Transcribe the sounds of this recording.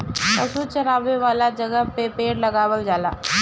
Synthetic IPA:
ɐsut͡ʃɐɾaːʋeʋaːlad͡ʒɐɡəpepeːɽlɐɡaːwəld͡ʒaːla̰ː

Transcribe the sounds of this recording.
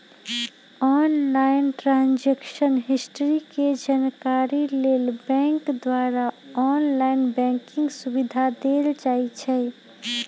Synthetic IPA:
ɔnlaɪnʈɾãnd͡ʒekʃənɦisʈəɾiked͡ʒankaɾilelbɛ̃ŋkd̪waɾaɔnlaɪnbɛ̃ŋkɪ̃ŋɡsubid̪ʱad̪eld͡ʒait͡ʃʰɛ

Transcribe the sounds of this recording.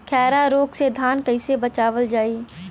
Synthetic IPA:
kʰɛːɾaɾoːksed̪ʱaːnkəɪsebət͡ʃaːʋəld͡ʒaːiː

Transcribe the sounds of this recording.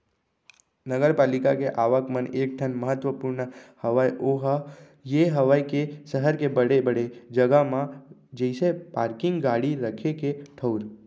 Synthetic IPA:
nəɡəɾpaːlɪkakeʔaːʋəkməneːk̚ʈʰənməɦət̪ʋəpuɾnəhəʋajʔoɦ | jeɦəʋajkesəɦəɾkebəɽebəɽed͡ʒəɡamã | d͡ʒəɪsepaːɾkɪ̃ŋɡɡaːɽiɾəkʰekeʈʰəʊɾ

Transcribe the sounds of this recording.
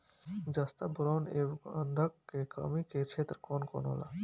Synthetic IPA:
d͡ʒast̪abʊɾoːneʋənd̪ʱəkːekə̰miket͡ʃʰeːt̪ɾkoːnko̰ːnɦo̰ːla̰ː

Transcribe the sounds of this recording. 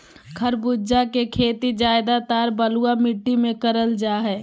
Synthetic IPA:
kʰəɾbud͡ʒakekʰeːt̪id͡ʒaːɪd̪at̪aːɾbəluamɪʈːimẽkəɾəld͡ʒaːɦɛː

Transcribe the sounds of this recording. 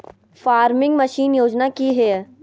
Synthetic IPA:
faːɾmɪ̃ŋɡmɐʃiːnjoːd͡ʒnakiɦɛː

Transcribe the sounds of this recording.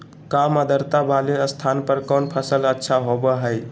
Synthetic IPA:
kaməd̪əɾt̪abaleəst̪ʰanpəɾkɔnpʰəsələtːʃʰaɦobəɦəj

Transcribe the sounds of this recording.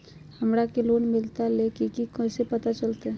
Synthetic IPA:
həmɾakeloːnmɪlt̪alekikikɔ̃sepət̪at͡ʃəlt̪eɛ

